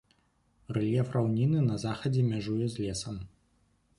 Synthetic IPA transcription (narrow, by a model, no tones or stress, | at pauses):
rɛlʲjɛfrawnʲinɨnɐzaxɐd͡zʲɛmʲaʐujɛzʲlʲɛsɐm